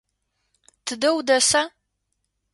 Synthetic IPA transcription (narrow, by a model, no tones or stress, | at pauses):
tʰɨdɐwdɐsa